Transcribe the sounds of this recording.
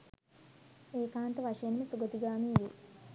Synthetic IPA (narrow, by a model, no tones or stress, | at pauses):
eːkaːnt̪əʋaʂɐjenməsuɡət̪iɡaːmiːʋḛ